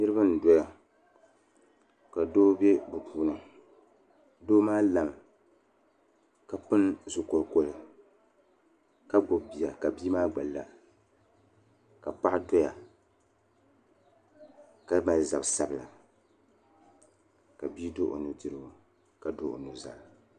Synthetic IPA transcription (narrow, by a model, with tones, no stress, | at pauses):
nɨ˦ɾɨ˦ba˦n̩˨dɔ˦ja˨ | ka˨doː˦be˦bu˨puː˨nɨ˨ | doː˦maː˦la˨m | ka˨pɨ˦nzʊ˨ko˨lko˦lɨ˨ | ka˦ɡ͡bo˨bbi˨ja˨ka˨bi˦maː˦ɡ͡ba˨lːa̰˨ | ka˨pa˦ʔdo˦ja˨ | ka˦ma˨lza˨bsa˦bla̰˨ | ka˨bi˦do˦ʔo̰˨nu˨dɨ˨ɾɨ˦˨ | ka˨do˦ʔo̰˨nu˨za̰˨